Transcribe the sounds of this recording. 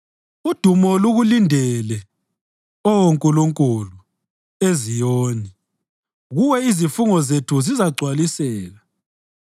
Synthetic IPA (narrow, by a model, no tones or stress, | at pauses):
ud̥ʱumɔluɣulindʱɛlɛ | ɔwoŋkʼuluŋkʼulu | ezijoːni | ɣuwɛizifuŋɔzetʰuzizaɡ͡ǀʱwalisɛːla